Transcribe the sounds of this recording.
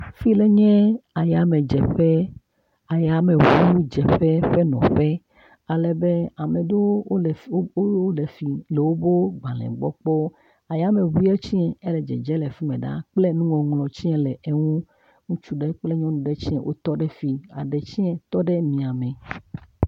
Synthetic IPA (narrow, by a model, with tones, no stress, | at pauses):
fi˦le˦ɲɛ̃˦a˨ja˨me˨d͡ʒɛ˨ɸɛ˦ | a˨ja˦mẽ˨wu˦u˦d͡ʒɛ˨ɸɛ˦ɸe˦nɔ̰̃˨ɸɛ˦ | a˨lɛ˨be˦a˨mẽ˨do˦˨˦o˦le˨fi˨lɛ˨wo˦bo˦ɡ͡ba˨lɛ̰̃˨ɡ͡bɔ̰˦k͡pɔ˦ | a˨ja˦mẽ˨βu˦i˦ɛ˦t͡ɕi˦ɛ˨e˦lɛ˨d͡ʒɛ̰˨d͡ʒɛ˦lɛ˨fi˦mḛ̃˨ɖa̰˦k͡ple˦nũ˦ŋɔ̃˨ŋlɔ̃˨t͡ɕi˦ɛ̃˦lɛ˨e˦ŋũ˦ | ŋũ˦t͡ʃu˦ɖɛ˦k͡ple˦ɲɔ̃˦nũ˨ɖɛ˦t͡ɕi˦ɛ̰̃˨˦wʔo̰˦t̪ɔ˦ɖɛ˦fi˦a̰˨ɖɛ˨t͡ɕi˦ɛ̃˨t̪ɔ˦ɖɛ˦mĩ˨a˨mɛ̃˨